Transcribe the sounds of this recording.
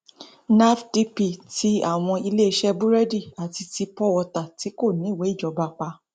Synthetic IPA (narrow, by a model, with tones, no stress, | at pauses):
na˦fdi˦pi˨ti˦a˦˨w̃ɔ̃˧i˧le˦i˧ʃɛ˦bu˦ɾɛ˦di˦˨a˨ti˧ti˧pɔ˦wɔ˧ta˨ti˨˦ko˦˨nĩ˨˦˨wɛ˨˦i˦˨d͡ʒɔ˨˦ba˧k͡pa˧